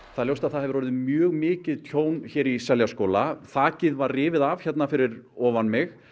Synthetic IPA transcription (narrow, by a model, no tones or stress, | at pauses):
θaðljowst̪aðθaðhɛvɾvɔɾɪðmjœːɣmɪːcɪðt̪ʰjoːwnçɛːɾisɛljaskoːwlaθaːcɪðvarrɪːvɪðavçɛt̪nafɪɾɪɾɔːvanmɪx